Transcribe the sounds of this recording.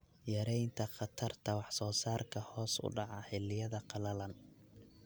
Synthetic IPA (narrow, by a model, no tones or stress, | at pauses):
jɐɾɛjnt̪ʰɐχɑt̪ʰɐrt̪ʰɐwɑħsɔːsaːrkʰɐhɔːsʊ̰ɖɑʕɑħɛlɪjɐðɐqɑlɐlɐn